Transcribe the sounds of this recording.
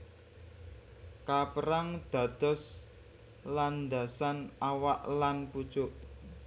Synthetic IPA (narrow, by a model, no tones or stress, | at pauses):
kapəɾaŋd̪̥ä̤d̪̥ɔ̤s | land̪a̤sanawaʔlanpu̥t͡ʃʊʔ